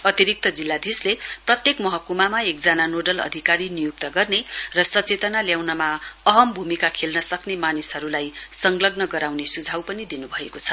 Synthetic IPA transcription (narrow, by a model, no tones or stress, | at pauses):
ʌt̪iɾik̚t̪ʌd͡zilːad̪ʱisleprʌt̪jekmʌɦʌkumamaek̚d͡zananoɖʌlʌ̰d̪ʱikaɾinijuk̚t̪ʌɡʌrnerʌsʌt͡set̪ʌnaljawnamaʌɦʌmbʱumikakʰelnʌsʌknemanisɦʌɾulajsʌŋɡlʌɡnʌɡʌɾawnesud͡zʱawpʌnid̪inubʱʌekot͡sʰʌ